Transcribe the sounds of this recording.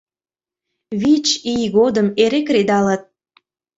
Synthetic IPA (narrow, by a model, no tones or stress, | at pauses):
βit͡ɕijɣod̪əmeɾekred̪ɑlət̪̚